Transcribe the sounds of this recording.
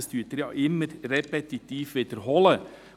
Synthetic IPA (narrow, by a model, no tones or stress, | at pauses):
styːtəɾjɑʔɪmːəɾrɛpɛt̪it̪iːfʋid̪əɾɦɔlə